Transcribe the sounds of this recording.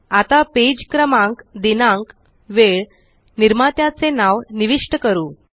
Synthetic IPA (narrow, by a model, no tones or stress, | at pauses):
at̪aped͡ʑkɾəmãŋkd̪inaŋk | ʋeɭ | niɾmat̪jat͡senaʋniʋiʂʈəkəɾuː